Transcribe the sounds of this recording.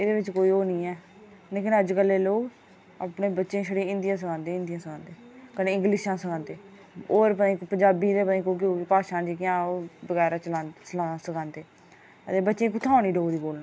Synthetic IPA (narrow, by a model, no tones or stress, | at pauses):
ɪd̪eːʋɪt͡ʃkoːiːoːnĩːɛː | leːkɪnəd͡ʒkəlːeːloːɡ | aːpɳeːbətːʃẽːʃəɽeːɪ̃nd̪ɪjãːs̬əkʰãːnd̪eːɪ̃nd̪ɪjãːsəkʰãːnd̪eːkəneːɪ̃ŋɡlɪʃãːsəkãːnd̪eː | oːɾpəĩːpəɲd͡ʒaːbiːd̪eːpənẽːkoːk̬oːkɪpaːʃãːd͡ʒiːkɪjãːbəɡɛːɾaːt͡ʃəlãːnslãsəkʰãːnd̪eː | ət̪eːbətːʃẽːkʊt̪ʰaːñiːɖoːɾiːkoːlnãː